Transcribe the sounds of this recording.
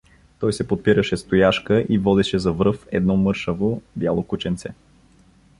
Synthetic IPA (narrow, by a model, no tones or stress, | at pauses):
t̪ɔjsɛpot̪̚piɾəʃɛst̪ojaʃkəʔivɔd̪ɛʃɛzɐvɾɤfɛ̰d̪nɔmɤɾʃəvobʲjalˠokut͡ʃɛnt̪sɛ